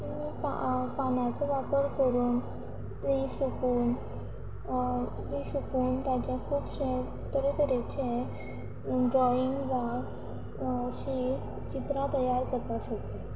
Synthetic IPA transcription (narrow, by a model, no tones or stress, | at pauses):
kimiːpa̰panat͡seʋapəɾkəɾuːn | isukuːn | t̪isukuːnt̪jat͡ɕakʰuːbɕe | t̪əɾet̪əɾet͡ɕe | ɖɾɔiŋɡʋa | ɕi | t͡ɕit̪ɾãt̪əjaɾkəɾt̪aɕək̚t̪e